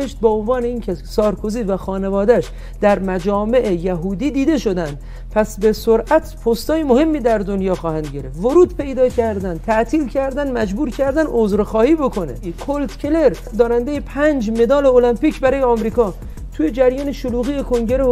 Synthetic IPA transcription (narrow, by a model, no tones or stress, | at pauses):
eʃt̪̚beonvɒːne̞iːncʰesɒːɾkʰoziːvæxɒːne̞vɒːd̪æʃ | d̪̥æɾmæd͡ʒɒːme̞ʔejæɦuːd̪iːd̪iːd̪e̞ʃo̞d̪ænd̪̥ | pʰæsbe̞soɾʔæt̪ʰpʰost̪ɒːjemohe̞mːiːd̪æɾd̪o̞njɒːxɒːhænd̪ɟeɾefvoɾuːd̪̚pʰe̞jd̪ɒːcʰæɾd̪ænd̪t̪ʰæʔt̪ʰiːlcʰæɾd̪ænmæd͡ʒbuːɾcʰæɾd̪ænʔozɾxɒːhiːbo̞kʰo̞nḛkʰolt̪kʰʲele̞ɾ | d̪ɒːnænd̪ejepʰænd͡ʒme̞d̪ɒːle̞olæmpiːcbæɾɒːjeɒmɾiːkɒː | t̪ʰujed͡ʒæɾjɒːneʃoluːɣiːjekʰo̞ŋɟe̞ɾe